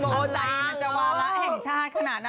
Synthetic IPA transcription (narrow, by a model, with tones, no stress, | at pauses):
moː˦˨˦la˧jma˧nt͡ɕa˧waː˧ɾa˦˥ʔhɛ˨˩ŋt͡ɕʰaː˥˩t̪̚kʰa˧naː˨˩t̪̚a˧